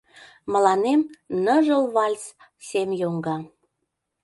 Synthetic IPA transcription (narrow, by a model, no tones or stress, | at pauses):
məlɑnemnəʒəlβɑlʲt͡s | semjoŋɡɑ